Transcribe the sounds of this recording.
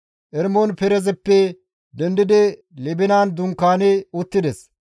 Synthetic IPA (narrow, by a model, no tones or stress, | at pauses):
ʔɛɾmonpɛɾɛzɛpːɛ | d̪ɛnd̪ɪd̪ɪ | lɛbɪnaːnd̪ʊŋkːaːnɛʊt̪ːɪd̪ɛs